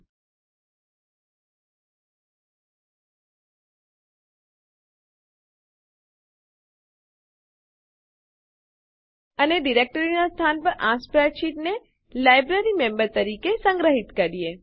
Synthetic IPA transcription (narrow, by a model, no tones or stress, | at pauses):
əneɖiɾek̚ʈəɾinast̪ʰanpəɾʔãspɾat͡ʃiʈne | lajbɾəɾimẽmbəɾt̪əɾikesə̃ŋɡɾəɦit̪kəɾije